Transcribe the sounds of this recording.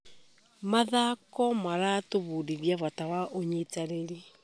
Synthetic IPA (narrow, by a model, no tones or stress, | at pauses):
maðakɔmaɾatoβuɾiɾjaβatawaʔoɲitaɾeɾi